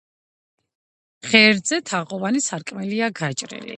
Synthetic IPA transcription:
χɛɾd̪zɛt̪ʰaʁɔvanisaɾkʼmɛliaɡat͡ʃʼɾḭlḭ

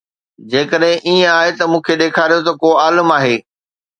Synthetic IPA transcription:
d͡ʑeːkəɗɦɪ̃ʔiːə̃aːɦet̪ɐmũːkʰeɗeːkʰaːɾijot̪ɐkoːaːləmaːɦeː

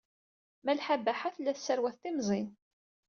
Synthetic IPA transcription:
mælħabːaħaθlːæθsːəɾwæθθimzˤin

